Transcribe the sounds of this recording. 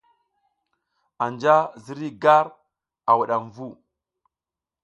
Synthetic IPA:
a˨nd͡ʒa˦zi˦ɾi˦ɡa˦ɾ | a˨wu˨ɗa˨mvu˦˨

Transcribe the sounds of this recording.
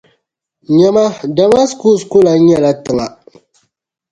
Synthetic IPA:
ɲɛ˦ma˦da˦ma˦sku˦˨skʊ˦la˨˦ɲɛ˦la˦tɨ˨ŋa˨

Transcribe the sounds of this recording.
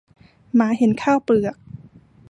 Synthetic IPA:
maː˩˦ɦe˩˦nkʰaː˥˩wplɯ˨˩ɐk̚

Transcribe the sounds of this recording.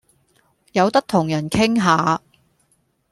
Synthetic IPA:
jɐ˨˧wt̪ɐ˥k̚t̪ʰʊ˨˩ŋjɐ˨˩nkʰɪ˥ŋɦaː˨˧

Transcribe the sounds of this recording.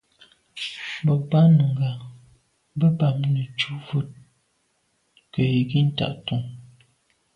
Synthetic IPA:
bɔ˨ba˦nə˨ŋɡa˨˦ | bə˦ba˨mnə˨t͡ʃu˦vu˦t̚ | kə˨ji˨ɡi˦n̩˦ta̰˨ʔtu˨ŋ

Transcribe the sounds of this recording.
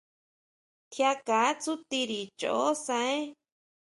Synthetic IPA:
t̪ʰja˧ka˨˦t͡su˦t̪i˧ɾi˨t͡ʃo̰˨ʔo˦sã˧ẽ˦

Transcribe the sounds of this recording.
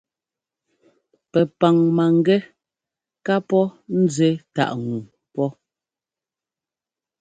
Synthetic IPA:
pɛ˨pa˨ŋma˨ŋ˦ɡɛ˦ | ka˦pɔ˦n̩˦d͡ze˨˦ta̰˨ʔŋu˨ | pɔ˦

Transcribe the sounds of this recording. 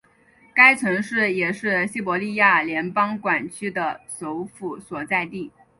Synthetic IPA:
ka˥ɪt͡sʰwə˧˥ŋʂɻ̩˥˩jɛ˨˩ʂɻ̩˥˩ɕi˥˩pwɔ˧˥li˥˧ja˥˩ljɛ˧˥npɑ˥ŋkwa˨˩nt͡ɕʰy˥d̪ə˨so˧˥ʊfu˨˥˩swɔ˨˩t͡sa˥˧ɪt̪i˥˩

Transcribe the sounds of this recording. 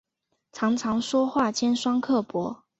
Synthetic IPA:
ʈ͡ʂʰɑ˧˥ŋʈ͡ʂʰɑ˧˥ŋʂwɔ˥xwa˥˨t͡ɕjɛ˥nʂwɑ˥ŋkʰɤ˥˩pwɔ˧˥

